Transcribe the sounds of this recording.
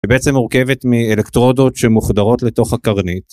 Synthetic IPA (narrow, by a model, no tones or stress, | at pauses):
ibeet͡se̞mːuʁke̞vet̪mielekt̪ʁo̞do̞tʃemuχdaʁo̞tle̞to̞χhakaʁnit